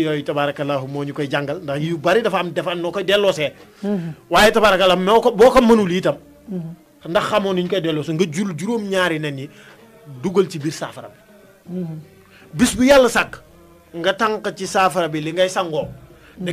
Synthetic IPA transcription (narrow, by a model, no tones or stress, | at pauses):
jɔːjtɐbaɾɐkːɐlɐhumɔːɲukɐjɟaŋɡɐlndɐxjubɐɾidɐfamdɛfanːɔkɐdɛlːɔːsɛː | waːjɛtɐbaɾɐkːɐlɐmɔkɐbɔːkɐmːɐnuliːtɐm | ndɐxːɐmɔːniɲkɐjdɛlːɔsŋɡɐɟulɟuɾoːmɲaːɾinɛnji | duɡɐlcibiɾsa̰fɐɾɐ̰b | bisɡujalːɐsakː | ŋɡɐtaŋkɐcisaːfɐɾɐbiliŋɡɐjsaŋɡɔː | d